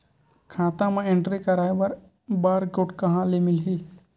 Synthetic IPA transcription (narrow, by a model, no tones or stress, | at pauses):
kʰaːt̪ãmãẽɳʈɾikɐɾaːbɐɾ | baːɾkoːʈkɐɦãlemɪlɦiː